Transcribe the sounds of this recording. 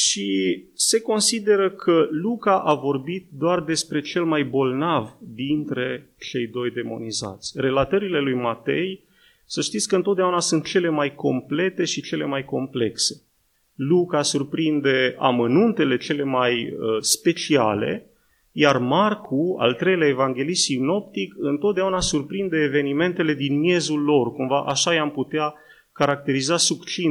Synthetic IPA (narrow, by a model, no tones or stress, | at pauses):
ʃise̞ko̞nsid̪e̞ɾəkʰəlukaʔavo̞rbit̪̚d̪oard̪e̞spɾe̞t͡ʃe̞lmajbo̞lnavd̪int̪ɾe̞ | t͡ʃe̞jd̪o̞jd̪e̞mo̞̰niza̰t̪sʲre̞lat̪əɾile̞lujmat̪e̞̰j | səʃt̪it̪sʲkəɨnt̪ot̪d̪aunasunt̪̚t͡ʃe̞le̞majko̞mple̞t̪e̞ʃit͡ʃe̞le̞majko̞mple̞kse̞̥ | lukasurpɾind̪e̞a̰mənunt̪e̞le̞t͡ʃe̞le̞majəspe̞t͡ʃia̰le̞̰ | jarmarkʰua̰lt̪ɾe̞jleaevaŋɡʲe̞lisino̞pt̪ikɨnt̪ot̪d̪eaunasurpɾind̪e̞ːve̞nime̞nt̪e̞le̞d̪inmje̞zulːo̞rkumvaʔaʃajamput̪ea | kaɾak̚t̪e̞ɾizasukt͡ʃin